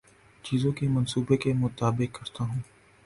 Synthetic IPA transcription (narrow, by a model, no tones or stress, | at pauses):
t͡ʃiːzõkimɐnsuːbekemʊt̪aːbɪkːɐɾt̪aɦũː